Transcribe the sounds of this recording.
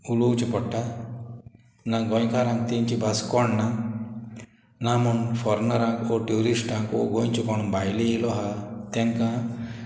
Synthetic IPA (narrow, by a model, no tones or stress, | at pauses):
ulowt͡ʃipɔʈːa | naɡɔjkaɾãŋk̚t̪eɲt͡ʃibaskɔɳna | namɔnfɔɾnɔɾãŋkoʈuɾisʈãŋko̰ɡojɲt͡ʃikɔɳ̃unbajleːlɔɦat̪eŋkã